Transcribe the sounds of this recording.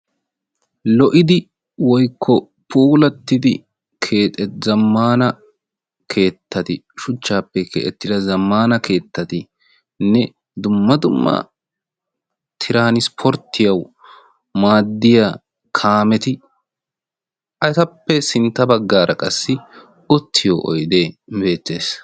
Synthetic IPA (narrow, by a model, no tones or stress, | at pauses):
lɔʔɪd̪ɪ | wɔjkʰːɔ | puːlɐt̪ːɪd̪ɪ̰ | kʰeːt̪ʼɛzɐmːaːnɐ | kʰe̞ːt̪ːɐt̪ɪ | ʃʊt͡ʃːaːpːɛkʰḛʔɛt̪ːɪd̪ɐzɐmːaːnɐkʰe̞ːt̪ːɐt̪ɪ | nɛ | d̪ʊmːɐd̪ʊmːɐ̰ | t̪ʰɪɾaːnɪspʰɔɾt̪ʰːɪjɐw | maːd̪ːɪja | kʰaːmɛt̪ɪ | ʔɐt̪ɐpːɛsɪnt̪ːɐbɐɡːaːɾʔɐkʼɐsːɪ | ɔt̪ʰːɪjɔʔɔ̰jd̪eːbe̞ːt̪ːe̞ːs